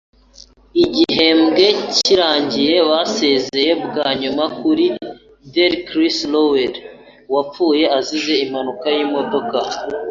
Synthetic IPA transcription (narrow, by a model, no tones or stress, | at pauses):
iɟiɦe̞mɡe̞ciɾaːɲɟije̞βase̞ze̞je̞bɡaːɲumakuɾi | deɾkɾisloweɾ | wap͡fuːje̞azize̞imanukajiːmo̞do̞ka